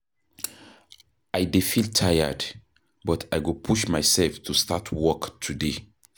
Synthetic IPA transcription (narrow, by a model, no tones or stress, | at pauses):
ajdefiltʰajə̰d | bɔtʰajɡupʰuʃmajsɛlftʰustʰatʰwɔktʰude